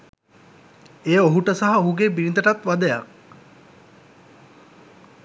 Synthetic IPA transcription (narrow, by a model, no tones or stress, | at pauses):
eːoɦuʈəsaɦɐoɦuɡeːbinid̪əʈat̪ʋad̪əja̰k̚